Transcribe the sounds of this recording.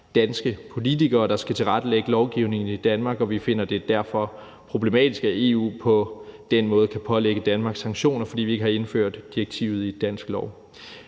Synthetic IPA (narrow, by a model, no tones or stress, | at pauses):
d̥ænsɡ̥əpʰo̝lit͡sʰiɡ̥ɐːɾ̥ɑ̈sɡ̥æt͡sʰe̝lʁɑd̥əleɡ̥əlɒʊɡ̥iʊne̝ŋn̩id̥ænmɑ̈ɡ̥ɒ̽ʋife̝n̰ɐd̥e̝d̥æɐ̰fɒ̽ | pʰʁo̝b̥le̝mɛ̰ːd̥isɡ̥æe̝ṵːpʰɒ̽d̥enmɔ̽ːð̞̩ˠəkʰæpʰɒ̽leɡ̥əd̥ænmɑ̈ɡ̥sːɑ̈ŋ̥ɕo̝̰ːnɐfɒ̽d̥ḭːʋie̝ɡəhɑ̈e̝nfø̰ɐ̰d̥ːiɐɡ̥t͡sʰḭːʊð̞̩ˠid̥æn̰sɡ̥lɒʊ